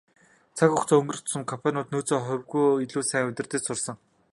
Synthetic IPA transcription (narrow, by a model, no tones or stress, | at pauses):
t͡sʰakʊχt͡sɔːɵŋɡɵ̆rɵ̆xt̪ʊ̥sə̆mkʰɔmpʰanʲʊːt̪̚nuːt͡soːχœwɣujiɮuːsæːŋʊt̪ʲɪ̆rt̪ɘ̆t͡ɕsʊrsɞ̆ŋ